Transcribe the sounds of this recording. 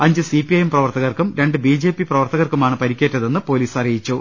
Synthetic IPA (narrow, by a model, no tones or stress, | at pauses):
ɐɲd͡ʑɨsipːiɐjemprɐʋɐrt̪ɐɣɐrkumɾe̞ɳɖɨbiːd͡ʑe̞ːpiprɐʋɐrt̪ɐɣɐrkumaːɳɨpɐɾikʲːe̞ːtːɐðe̞nːɨpo̞ːliːsɐrijit͡ɕːu